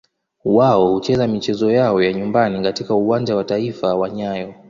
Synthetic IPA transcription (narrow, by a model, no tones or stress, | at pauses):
waɔhut͡ʃɛzamit͡ʃɛzɔjaɔjaɲumbanikatikauwand͡ʒawataifawaɲajɔ